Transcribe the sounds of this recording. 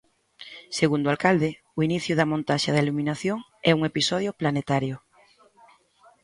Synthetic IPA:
seɣund̪ʊalkald̪ɪ | ʊiniθjʊðɐmõnt̪aʃaðailumĩnaθjoŋ | ɛuŋepisɔð̞jʊplanet̪aɾjʊ

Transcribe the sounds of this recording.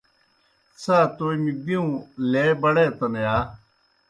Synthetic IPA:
saːt̪oːimidiũːleːbəɽeːt̪ɐnejaː

